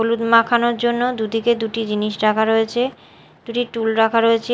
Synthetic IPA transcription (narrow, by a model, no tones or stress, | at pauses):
olud̪makʰanoɾd͡ʑonːod̪ud̪iked̪uʈid͡ʑiniʃɾakʰaɾoet͡ɕʰe | d̪̥uʈiʈulɾakʰaɾoet͡ɕʰe